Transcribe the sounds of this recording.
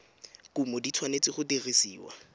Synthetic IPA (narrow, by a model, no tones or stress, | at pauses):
kumɔdit͡sʰwanet͡sʼɪχʊterisiːwa̰